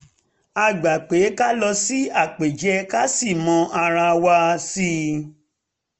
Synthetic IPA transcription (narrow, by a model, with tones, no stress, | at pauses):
a˧˨ɡ͡ba˨k͡pe˨˦ka˦lɔ˧si˦a˦˨k͡pe˨d͡ʒɛ˨˧ka˦si˦˨mɔ̃˧˦ʔa˧ɾa˧wa˧si˦